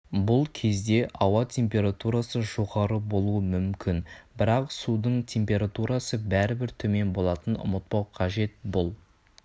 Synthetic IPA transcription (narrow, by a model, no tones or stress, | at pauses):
bʊlˠkʲʰe̞zd̪e̞ʔɑwɑt̪ʲʰe̞mpʲe̞ɾat̪uɾasəʒo̞ʁɑɾəbo̞lˠuəmʏmkʲɪnbɪɾɑqsud̪əɴt̪ʲʰe̞mpʲe̞ɾat̪uɾasəbæɾɪbɪɾt̪ʰɵme̞nbo̞lˠɑt̪ənʊ̰mət̪̚pɑwqʰɑʒe̞t̪̚bʊlˠ